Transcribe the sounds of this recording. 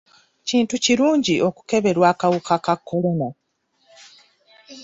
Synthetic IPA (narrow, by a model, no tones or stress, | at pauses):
ciːntuciɾuːɲɟiʔo̞ku̥ke̞βe̞ɾwaːkawukakakʰːo̞lo̞na